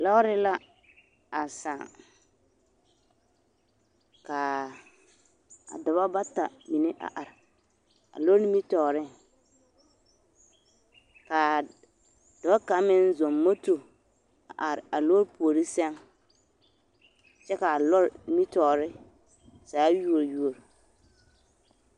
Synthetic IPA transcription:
la˦ɾɪ˦la˦ | a˨sa̰˨ŋ | ka˨ | a̰˨dʊ˨ba˦ba˦ta˨mi˨ne˦ʔa̰˨ʔa˨ɾɪ˨ | a̰˨lo˦ɾmi˦tɔː˨ɾɪ˦˨ | ka˨ | dɔ˨ba˦ka˨˦mɪ˦n˦zɔ˨mːo˦to˨ | a̰˨ʔa˨ɾɪ˨a˨lo˦ɾpu˨o˨ɾi˦sɛ˦ŋ | t͡ʃɛ˦ka˨lɔ˦ɾmi˦tɔː˨ɾɪ˦ | saː˨˦ju˦o˨ɾju˦o˨ɾ

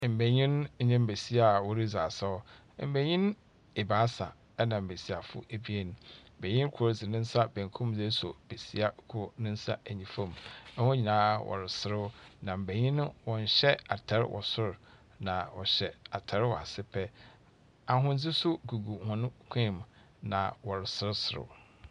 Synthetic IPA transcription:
m̩˨bæ˨ɲĩ˦n̩˦ɲɛ̃˦m̩˦˨be˨si˦a˦˨wɔ˨ɾi˦zaː˨sa˦ɔ˦ | m̩˨bæ˨ɲĩ˦n˦ | e˨baː˨˦sa˨ | ɛ˦nã˨m̩˨be˨si˨a˨fʊ̰˦ʔæ˨bi˦e˦nʊ̃˨m̩˨bæ̃˨ɲĩ˦n˦kʰʊ˨ɾzɪ˨nɪ̃˦n̩˦sa˦bæ̃˨ŋ˨kʰũ˦m˦d͡ze˦sɔ˨b̥e˨si˦a˦kʰʊ˦ɾnɪ̃˦n̩˦sa̰˦æ˨ɲĩ˨fã˦˨mɛ˦hʊ̃˦ɲĩ˨nãː˨˦wʔɔ̰˨ɾɪ˨sɪ˦ɾɪ˦nã˨m̩˨bæ˨ɲĩ˦nʊ̃˦wɔ̃˨n˨ɕɛ˦a˨tʰɛ˨˦ɾwʔɔ̰˨sʊ˦ɾ | nã˨wɔ̰˨ɕɛ˨a˨tʰɛ˨ɾwɔ˨a˨sɪ˦pʰɛ˦ | a˨ɦʊ̃˦n̩˦d͡zɪ˦sʊ˦ɡu˨ɡu˨hɔ̃˨nʊ̃˦kʷʰɛ̃˦˨m˨ | nã˨wɔ˨ɾɪ˨sɪ˦ɾɪ˦sʊ˨ɾɪ̰˦

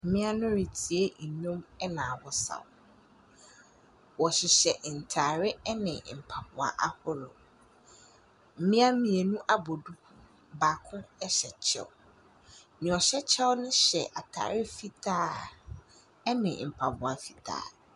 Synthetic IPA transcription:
m̩˨mɪ̃˦a˦nʊ̃˦ɾi˨tʰi˨e˦n̩˨ɲõ˦mɛ˦nã˨wɔ˦sa̰˨w | wɔ˨ɕɪ˨ɕɛ˨ʔn̩˨tʰa˨ɾɪ˦nɪ̃˨m̩˨pʰa˨bʊ˨a̰˨ʔa˦hʊ˦ɾʊ̰˨ | m̩˨mɪ̃˦a˦mĩ˨e˨nũ˦ʔa˦bɔ˨du˦kʰu˨ | baː˨kʰʊ̃˦ɛ˦ɕɛ˨t͡ɕʰɛ̰˦ʊ˨ | nɪ̃˨ɔ˨ɕɛ˦t͡ɕʰɛ˦wʊ˦nʊ̃˦ɕɛ̰˨ʔa˨tʰa̰ː˨ɾɪ˦fi˦tʰaː˦˨˦ | nɪ̃˨m̩˨pʰa˨bʊ˨a˨fi˦tʰa̰ː˨

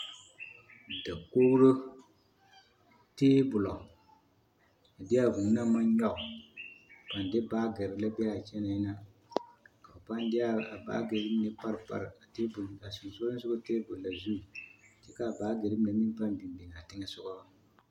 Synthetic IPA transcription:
da˨ko˦ɾʊ˦ | teː˦bʊ˨lɔ˨ | a˨dɪ˦a˦˨vu˨ŋ˦na˦ma˦nɲɔ˦ʔʊ˨ | pa˨ndɪ˦baː˦ɡɛ˨ɾɪ˨la˦bɛ˦a˦˨t͡ʃɛ˦na˨i˦na˦ | ka˨pa˦n˦dɪ˦a˦a˨ba̰ː˦ɡe˨ɾɪ˦m˦nɪ˦pa˦ɾpa̰˨ɾa˨te˦bʊ˨lka˨sʊ˨ŋ˨so˦la˦sʊ˦o˦teː˦bʊ˨lla˨zu˦˨t͡ʃɛ˦ka˦˨baː˦ɡe˨ɾɪ˦m˦na˨˦i˦pa˦n˦bi˨n˨di˨ŋ˨a˨tɪ˦ŋɛ˦sʊ˦ɡɔ˦a˨

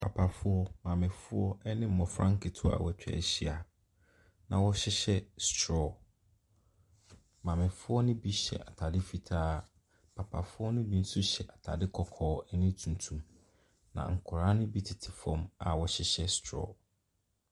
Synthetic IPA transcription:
pʰa˨pʰa˨fʊ˦ɔ˦mã˨mɪ̃˨fʊ˦ɔ˦ɛ˦nɪ̃˦m̩˦mɔ̃˨fɾã˦ŋ˦kʰɪ˨tʰʊ˦a̰˨wɔ˨t͡ɕᶣɛ̰˦˨ɕi˦a˨ | nã̰˨wɔ˦ɕɪ˦ɕɛ˦stʰɾɔ˦˨ | mã˨mɪ̃˨fʊ˦ɔ˦nʊ̃˦bi˦ɕɛ̰˨ʔa˨tʰa˨dɪ˦fi˨tʰaː˦ | pʰa˨pʰa˨fʊ˦ɔ˦nʊ̃˦bi˦n̩˦sʊ˦ɕɛ˨ʔa˨tʰa˨dɪ˦kʰɔ˨kʰɔː˨˦ɛ˦nɪ̃˦tʰũ˨n˨tʰũ˨m | nã̰˨ŋ̩˨kʰʊ˨ɾaː˦nʊ̃˦bi˦tʰɪ˨tʰɪ̥˨fɔ̃˦ma̰˨wɔ˨ɕɪ˦ɕɛ˦stʰɾɔ̰˨

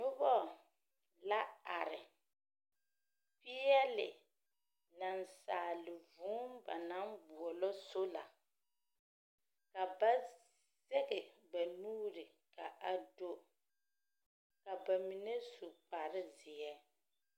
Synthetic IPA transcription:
nʊ˦bɔ˦ | la˦a˨ɾɪ˨ | pɪ˦ɛ˦lɪ̰˨ | na˨nsaː˨lɪ˨vuː˦mba̰˨na˦mbʊ˨ɔ˨lɔ˦so˦la̰˨ | ka˨ba˦ | z̥ɛ˦ɣɛ˨ba˨nuː˦ɾɪ˨ | ka˨a˨do˦ | ka˨ba˨mi˨nɛ˦su˨k͡pa˨ɾɪ˦zɪ˨ɛ˦

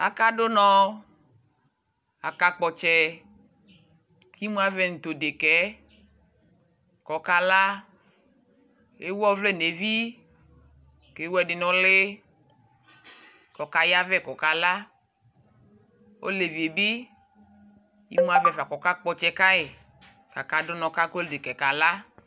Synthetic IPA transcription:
a̰˨ka˦do˦nɔ̃˦ | a˨ka˦k͡pɔ˨t͡ʃɛ˦ | ki˦mũ˦a˦vɛ˦˨ŋ̩˨t̪o˨de˨kɛ˨˦ | kɔ˨ka˦la˦ | e˦wɔ˦vle˦˨ne˨vi˦ | ke˨˦wɛ˨dɪ˨nɔ̃˨le˦ | kɔ˨ka˦ja˦vɛ˦˨kɔ˨ka˦la˦ | o̰˦le˨vi˨e˨bi˦ | ḭ˦mũ˦a˦˨vɛ˨va˨kɔ˨ka˦k͡pɔ˨t͡ʃɛ˦ka˦e˨ | ka˨ka˦do˦nɔ̃˨ka˦ko˦lde˨kɛ˨ka˨la˦

